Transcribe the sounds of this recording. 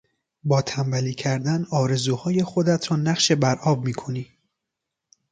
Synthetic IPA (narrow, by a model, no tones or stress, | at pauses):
bɒːt̪ʰæmbæliːcʰæɾd̪ænɒːɾe̞zuːhɒːje̞xo̞d̪æt̪ʰɾɒːnæχʃe̞bæɾʔɒːbmiːkʰo̞niː